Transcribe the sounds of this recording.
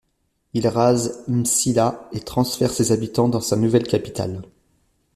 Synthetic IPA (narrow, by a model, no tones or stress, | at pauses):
ilʁazmsilaet̪χɑ̃sfɛʁsezabit̪ɑ̃d̪ɑ̃sanuvɛlkʲapi̥t̪a̰l